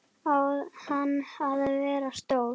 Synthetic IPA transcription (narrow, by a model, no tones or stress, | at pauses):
ahanːhaðavɛːɾast̪ow